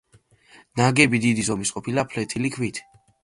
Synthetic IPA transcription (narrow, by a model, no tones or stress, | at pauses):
naɡɛbid̪id̪izɔmisqʼɔpʰilapʰlɛt̪ʰilikʰwit̪ʰ